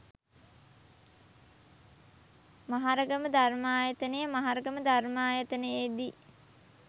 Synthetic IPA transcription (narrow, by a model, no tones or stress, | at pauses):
maɦaɾəɡəməd̪armaːjət̪ənəjəmaɦaɾəɡəməd̪armaːjət̪ənəjed̪i